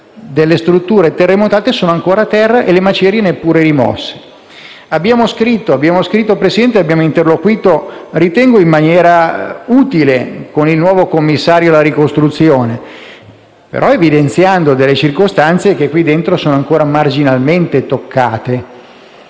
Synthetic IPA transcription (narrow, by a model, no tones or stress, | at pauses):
d̪elːest̪ɾut̪ːuːɾet̪erːemot̪aːt̪esoːnoaŋkoːɾat̪ɛrːaʔelemat͡ʃɛɾjenepːuːɾeɾimɔ̰sːe̥ | abːjaːmoskɾit̪ːoabːjaːmoskɾit̪ːopɾesid̪ɛnt̪eabːjaːmoint̪erlokwiːt̪orit̪ɛŋɡoimːanjɛːɾauːt̪ilekonilnwɔːvokomːisːaːɾjolaɾikost̪ɾut̪sːjoːne | pḛɾʔɔevid̪ent̪sjand̪od̪elːet͡ʃirkost̪ant̪sek̟ekːwid̪ːent̪ɾosoːnoaŋkoːɾamard͡ʒinalment̪et̪okʰːaːt̪e